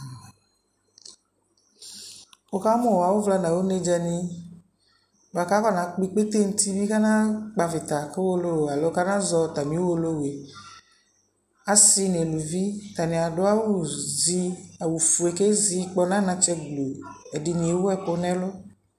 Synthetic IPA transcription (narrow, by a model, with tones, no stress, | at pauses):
wo˦ka˦mɔ̃˦˨wa˨wo˦vla˦nã˨wo˦ne˦d͡ʒa˨nĩ˦ | ba˨ka˦kɔ˦nã˨k͡pi˦k͡pe˦t̪e˦ŋ̩˦t̪i˦bi˦ka˦nã˦k͡pa˨vɪ˨t̪a˨ke˦wo˦lo˦wo˨a˨lo˨˦ka˦nã˦zɔ˧˨t̪a˨mĩ˨˦wo˦lo˦we˨ | a˦si˦ne˨lu˨vi˦t̪a˨nẽ˨a˨ɖʊ˦a˦wu˦zi˦a˨wu˨fu˨e˨ke˦zi˦k͡pɔ˦nã˦nã˦t͡ʃɛ˦ɡlu˨e˨di˨nĩ˨e˨wu˦ɛ˦k͡po˦nɛ̃˦lʊ˦